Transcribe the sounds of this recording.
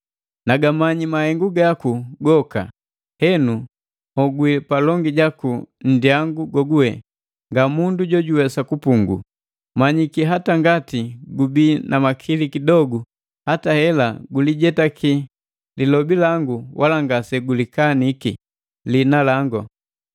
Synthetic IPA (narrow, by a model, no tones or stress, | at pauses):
naɡamaɲimahɛŋɡuɡakuɡɔka̰ | hɛnu | hɔɡwipalɔŋɡiɟakun̩diaŋɡuɡɔɡuhɛ̰ | ŋɡamunduɟɔɟuwɛsakupuŋɡṵ | maɲikiɦataŋɡatiɡubinamakʰilikidɔɡu | hatahɛlaɡuliɟɛtakʰi | lilɔbilaŋɡuwʔalaŋɡasɛɡulikanikḭ | linalaŋɡɔ